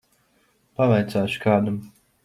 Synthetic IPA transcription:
pavajt̪saːʃkaːd̪am

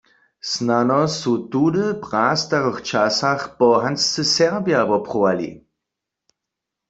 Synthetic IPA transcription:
snanɔsutudəpʁaːst̪aʁəχt͡ʃasaχpɔɦanst͡səsɛʁbjavɔpχɔwalḭ

